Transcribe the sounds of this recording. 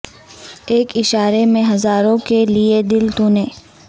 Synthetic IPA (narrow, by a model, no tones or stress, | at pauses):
eːkɪʃaːɾemẽɦɐzaːɾõkelied̪ɪlt̪uːnẽː